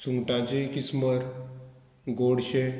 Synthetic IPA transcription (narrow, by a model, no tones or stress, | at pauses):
suŋɡʈãd͡ʑekisməɾ | ɡoɽɕe